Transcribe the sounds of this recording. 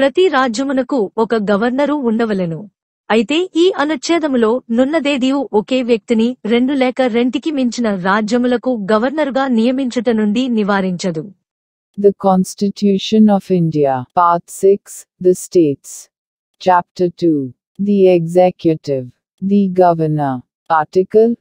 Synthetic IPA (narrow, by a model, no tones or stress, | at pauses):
pɾɐt̪iɾaːd͡ʒjɐmunɐkuɔkɐɡɐʋɐɾnɐɾuːɳɖɐʋɐlɐnu | ɐjit̪e̞ːʔiːʔɐnut̪ʃɛːd̪ɐmlo̞ːnunːɐd̪eːd̪iʋuʔoke̞ːʋjɐk̚t̪iniɾe̞ɳɖulɛːkɐɾe̞ɳʈikimiɲt͡ʃinɐɾaːd͡ʒjɐmulɐkuɡɐʋɐɾnɐɾuɡaːnijɐmiɲt͡ʃɐʈɐnuɳɖiniʋaːɾiɲt͡ʃɐd̪u | d̪ɐkɔ̃ːnsʈiʈjuːʃə̃nɔfɪɳɖiapaːɾt̪sɪks | d̪ɐsʈeːʈs | t͡ʃap̚ʈɐʈuː | d̪ieɡzɛkjuʈɪʋ | d̪iɡɐʋɐnɐ | paːɾʈikɐl